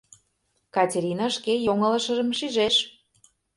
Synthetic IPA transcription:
kɑtʲeɾʲinɑʃkejoŋə̆lə̆ʃə̆ʒə̆mʃiʒeʃ

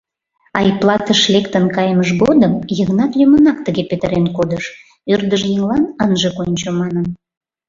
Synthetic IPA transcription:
ɑiplɑt̪əʃlekt̪ənkɑjməʃɣod̪əmjəɣnɑt̪jumənɑkt̪əɣepet̪əɾenkod̪əʃ | ørd̪əʒjeŋlɑnənʒəkonʲt͡ɕomɑnəm

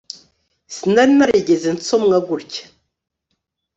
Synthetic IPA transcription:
snaɾnaɾeɡʲezint͡somŋaɡʷuɾkʲ

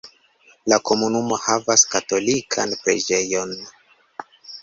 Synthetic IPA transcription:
lako̞munumo̞havaskato̞likʰanpɾed͡ʒe̞jo̞n

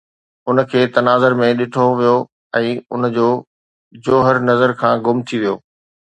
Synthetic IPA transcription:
ʊnkʰeːt̪ɐnaːzəɾmẽɗɪʈʰoʋijo | ɛ̃ːʊ̰nd͡ʑoː | d͡ʑoːɦəɾnɐzəɾkʰãːɡʊmt̪ʰiʋijoː

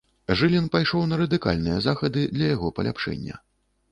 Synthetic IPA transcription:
ʐɨlʲɛnpajʂɔwnɐɾɐd̪ɨka̰lʲnɨjɛzaxɐd̪ɨd̪lʲɐjaɣɔpɐlʲa̰pʂɛ̰nʲːɐ̰

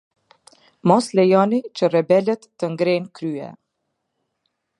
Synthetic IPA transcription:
mɔslɛjɔnit͡ɕərɛbɛlət̪ːəŋɡɾɛnkɾyɛ̰

